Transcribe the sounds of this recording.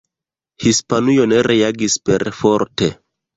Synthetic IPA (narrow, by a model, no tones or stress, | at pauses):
hispanujo̞neɾʔeaɡispeɾfoɾte